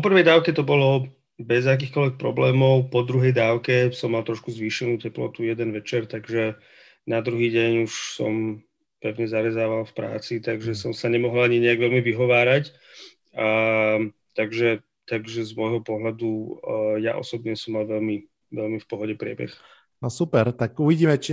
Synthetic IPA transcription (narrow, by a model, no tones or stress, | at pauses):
ppɔpr̩ʋɛjd̪aːʊkɛt̪ɔbɔlɔ | bɛzak̬iːxkɔlʋɛk̚pɾɔblɛːmɔʊpɔd̪ɾuɦɛjd̪aːʊkɛsɔmːalt̪ɾɔʃkuzʋiːʃɛnuːcɛplɔ̰t̪ujɛd̪ɛnʋɛt͡ʃɛɾt̪aɡʒɛ | nad̪ɾuɦiːɟɛɲuʃsɔ̰m | pɛʊɲɛzaɾɛzaːʋalfpɾa̰ːt͡sit̪aɡʒɛsɔmsaɲɛmɔɦɔlaɲiɲɛaɡʋɛlmiʋiɦɔʋaːɾac | a | t̪aɡʒɛ | t̪aɡʒɛzmɔjɦɔpɔɦʎad̪uja̰ʔɔ̰sɔbɲɛsɔmːalʋɛʎmi | ʋɛlmifpɔɦɔɟɛpɾɪɛ̰bɛ̰x | nɔsupɛɾt̪akuʋiɟiːmɛt͡ʃi